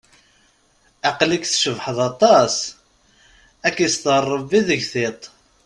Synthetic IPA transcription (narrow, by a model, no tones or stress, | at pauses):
ɑqlikθʃəvħəðɑt̪ˤɑs | ækist̪rˤːəviðəʝθet̪ˤ